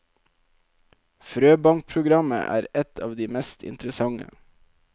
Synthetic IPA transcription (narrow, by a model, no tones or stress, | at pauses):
fɾøːbɑŋk̚pʰɾʊɡɾɑmə̰ʔæ̰ːɾɛt̪ʰɑːʋd̪iːmɛst̪ʰɪ̰nt̪ɾəsɑŋə̰